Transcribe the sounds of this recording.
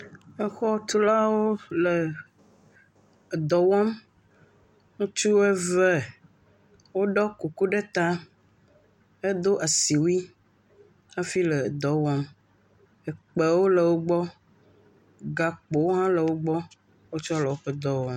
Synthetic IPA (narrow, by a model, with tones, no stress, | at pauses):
e˦xɔ˦t̪u˦la˦wo˦lə˨ | d̪ɔ˨wɔ˦m | ŋũ˦t͡ʃu˦wɛ˦vɛ˦˨ | wo˦ɖɔ˦ku˨ku˦ɖe˦t̪a˦ | e˦d̪o˦ʔa˨si˨wi˦ | a˦fi˦lə˨d̪ɔ˨wɔ˦m | ɛ˨k͡pe˨wo˦lə˨wo˦ɡ͡bɔ˦ | ɡa˨k͡po˨wɦã˦lə˨wo˦ɡ͡bɔ˦ | wo˦t͡ʃɔ˦lɛ˨wo˦ɸe˦d̪ɔ˦wɔ̃˦m